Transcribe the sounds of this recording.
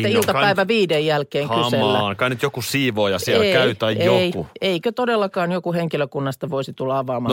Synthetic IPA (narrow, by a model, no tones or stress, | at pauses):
æilt̪ɑpæiʋæʋiːdejjælkeːŋhkɑyselːænkɑnːyt̪jokusiːʋoːjɑsielkæyt̪æjeoiueikøt̪odelːɑkɑːnjokuheŋkiløkunːɑst̪ɑʋoisit̪ulːɑɑʋɑːmɑnː